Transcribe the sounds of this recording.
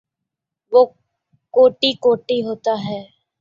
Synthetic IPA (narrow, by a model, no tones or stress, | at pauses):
ʋoː | koːʈikoːʈiɦoːt̪aɦɛː